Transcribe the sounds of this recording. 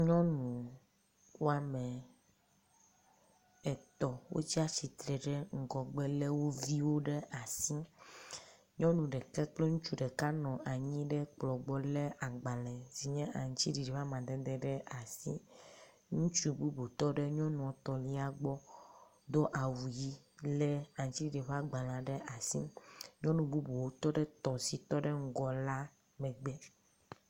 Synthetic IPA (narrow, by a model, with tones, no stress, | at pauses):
ɲɔ̃˦nũ˨ | wo˦a˦mɛ˨ | ɛ˨t̪ɔ˨wo̰˦t͡ɕi˦a˦t͡ɕi˨t̪ɾɛ˨ɖɛ˦ŋ̩˨ɡɔ˨ɡ͡be˦le˦wo˦vi˦wo˦ɖe˦ʔa˨si˦ | ɲɔ̃˦nũ˨ɖɛ˨kɛ˦k͡ple˦ŋũ˦t͡ʃu˦ɖɛ˨ka˦nɔ̃˨ʔa˨ɲĩ˦ɖɛ˦k͡plɔ˨ɡ͡bɔ˦le˦ʔa˨ɡ͡ba˨lɛ̃˨zi˨ɲɛ̃˦ʔa˨ŋ˨t͡ɕi˦ɖi˨ɖi˨ɸa˦mã˨d̪ɛ˨d̪ɛ˦ɖɛ˦ʔa˨sḭ˦ | ŋũ˦t͡ʃu˦bu˦bu˨t̪ɔ˦ɖe˦ɲɔ̃˦nũ˨ɔ˨t̪ɔ˨li˦a˨ɡ͡bɔ˦ | d̪o˦ʔa˨wu˨ji˦ | le˦a˨ŋ̩˨t͡ɕi˦di˨ɖi˨ɸa˦ɡ͡ba˨l̃ã˨ɖe˦ʔa˨sḭ˦ɲɔ̃˦nũ˨bu˦bu˨wo˦t̪ɔ˦ɖɛ˦t̪ɔ˨si˨t̪ɔ˦ɖe˦ŋ̩˦ɡɔ˨la˦ | mɛ˨ɡ͡be˦